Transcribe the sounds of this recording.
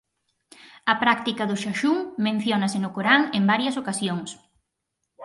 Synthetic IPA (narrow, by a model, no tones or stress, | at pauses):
ɐpɾakt̪ikɐðʊʃaʃuŋmẽn̟θjonɐsɪnʊkoɾaŋembaɾjɐsokasjoŋs